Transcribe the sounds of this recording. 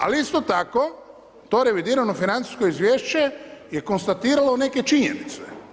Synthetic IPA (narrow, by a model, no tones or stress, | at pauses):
a̰liist̪o̞t̪ako̞ | t̪o̞ɾe̞ʋid̪iːɾano̞finant̪si̥sko̞izʋjeːʃt͡ɕeje̞ko̞nst̪at̪iːɾalone̞ke̞t͡ʃiɲḛnit̪se